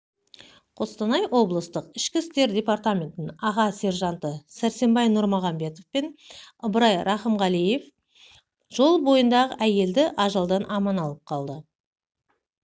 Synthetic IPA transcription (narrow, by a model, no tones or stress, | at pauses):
qʰo̞st̪ɑnɑjwo̞blˠəst̪əqɪʃkʲɪst̪e̞ɾdʲe̞part̪amʲe̞nt̪ɪnɑʁɑse̞ɾʒɑnt̪əsæɾse̞mbɑjnʊɾmoʁɑmbe̞t̪o̞fpe̞nəbəɾɑjɾʔɑχəmʁɑlije̞f | ʒ̥o̞lˠbo̞jənd̪ɑʁəʔæje̞ld̪ɪʔɑʒɑlˠd̪ɑnʔɑmɑnɑlˠəp̚qʰɑlˠd̪ə